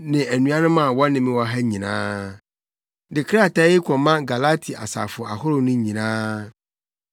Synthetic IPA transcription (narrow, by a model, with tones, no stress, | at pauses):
nɪ̃˨æ˨nũ˦a˦nʊ̃˦mã˨wɔ˦nɪ̃˨mɪ̃˦wɔ˨˦ɦɛ˦ɲĩ˨nãː˦ | dɪ˨kʰɾa˦˨ta˦jɪ˦kʰɔ˨mã˦ɡa˨la˦tʰi˨ʔa̰˨sa̰˨fʊ˨a˨hʊ˦ɾʊ˨nʊ̃˦ɲĩ˨nãː˦